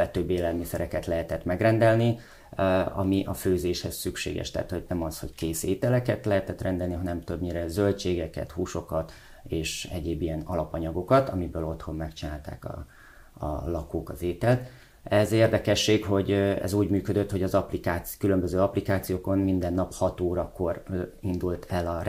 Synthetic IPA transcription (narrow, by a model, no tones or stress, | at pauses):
ɛt̪øbːeːlɛlmisɛɾɛkɛt̪lɛɦɛt̪ɛt̪mɛɡrɛnd̪ɛlni | ɒ̰miʔɒføːzeːʃhɛssykʃḛːɡɛ̰ʃt̪ɛ̰a̰ːt̪ho̞ɟnɛmɒsho̞ckeːseːt̪ɛlɛkɛt̪lɛɦɛt̪ɛt̪rɛnd̪ɛlniɦɒnɛmt̪øbɲiɾɛzølt͡ʃeːɡɛkɛ̰t̪huːʃo̞kɒt̪ | eːʃɛɟeːbijɛnɒlɒpɒɲɒɡo̞kɒt̪ɒmibøːlo̞t̪ho̞mːɛkt͡ʃinaːlt̪a̰ːkɒ̰ | ɒ̰lɒkoːkɒzeːt̪ɛlt̪ | ɛzeːrd̪ɛkɛʃːeːkho̞ɟɛ̰zuːɟmyːkød̪øt̪ho̞ɟɒzɒplikaːtkylømbøzøːɒplikaːt̪sijoːko̞nmind̪ɛnːɒphɒt̪oːɾɒko̞rind̪ult̪ʰɛlɒr